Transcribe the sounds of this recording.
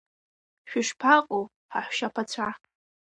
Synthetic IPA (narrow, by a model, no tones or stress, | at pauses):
ʃᶣɪʂpʰaqʼow | ħaħʷʃapʰat͡ɕʷʰa